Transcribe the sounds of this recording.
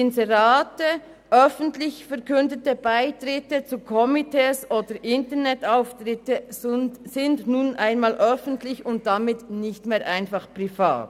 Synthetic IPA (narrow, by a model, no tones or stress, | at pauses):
ɪnzɛʁaːtə | ʔœfən̩tlɪçfɛʁkʏndətəb̥aɪtʁɪtət͡sukʰɔmitʰɛːsʔoːdəɾʔɪntəʁnɛtaʊftʁɪtə | sɪndnuːnʔaɪnmaːlʔœfən̩tlɪçʊnt̚d̥amɪtnɪçtmeːɾʔaɪnfɑχpʁ̥ifa̰ːt